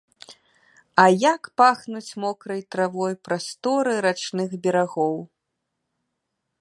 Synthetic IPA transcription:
ɐjakpaxnut͡sʲmɔkɾɐjt̪ɾavɔjpɾast̪ɔɾɨɾat͡ʂnɨɣbʲɛɾaɣɔw

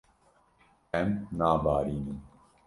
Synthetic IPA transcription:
ɛmnaːbaːɾiːnɨm

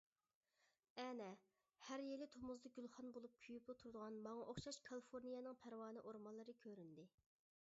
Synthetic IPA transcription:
ɛnɛ | hæɾjelɪt̪ʰomuzd̪ɑɡʲylˠχɑnbolˠup̚kʲʰyjyplˠɨt̪ʰuɾd̪əʁɑnmɑŋɑʔoχʃɑʃkʰɑlˠɨfoɾnijɛnɨŋpʰæɾwɑːnɨʔoɾmɑllˠːɨɾɨkʲʰøɾynd̪ɪ

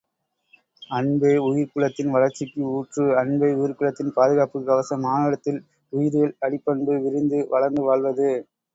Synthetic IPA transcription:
ɐɳbeːʊjɪɾkɯɭɐt̪ːɪnʋɐɭɐɾt͡ʃːɪkːɯuːʈrɯɐɳbeːʊjɪɾkɯɭɐt̪ːɪnpaːðɯɣaːpɯɡɐʋɐsɐmːaːnɪɽɐt̪ːɪl | ʊjɪɾɯɣɐɭɐɽɪpːɐɳbɯʋɪɾɪnd̪ɯʋɐɭɐɾnd̪ɯʋaːɭʋɐðɯ

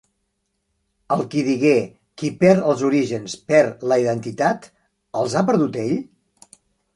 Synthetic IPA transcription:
əlˠkiðiɣe | kipɛɾəlˠzuɾiʒənspɛɾləiðənt̪it̪at̪ | əlˠzapəɾð̞ut̪eʎ

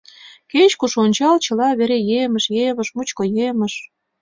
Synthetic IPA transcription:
ket͡ɕkuʃonʲt͡ɕɑlt͡ɕɤ̆lɑβeɾejemə̆ʃjeβə̆ʃmut͡ɕkɤjemə̆ʃ

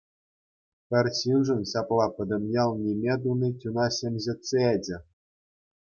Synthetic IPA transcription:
pʲɘ̆rʲɕinʐɘ̆nɕɑplˠɑpɤ̆d̪ɤ̆mʲjɑlˠnʲimʲed̪unitʲunɑɕemʲʑĕt͡seed͡ʑʲɘ̆

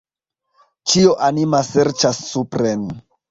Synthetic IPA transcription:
t͡ʃioʔanimaseɾt͡ʃasːupɾen

